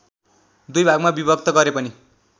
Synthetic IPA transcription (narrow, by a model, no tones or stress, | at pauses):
d̪ujbʱaɡmabibʌk̚t̪ʌɡʌɾepʌni